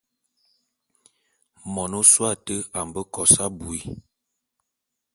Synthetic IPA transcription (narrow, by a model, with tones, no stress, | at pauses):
mɔ˨no˦swa˦˨tə˦a˨m˨bə˦kɔ˨sa˦bu˨i˦